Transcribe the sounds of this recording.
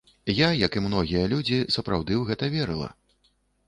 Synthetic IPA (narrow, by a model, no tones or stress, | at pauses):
jajɐkimnɔɣʲijɐlʲud͡zʲisɐpɾawd̪ɨwɣɛt̪ɐvʲɛɾɨlˠɐ̰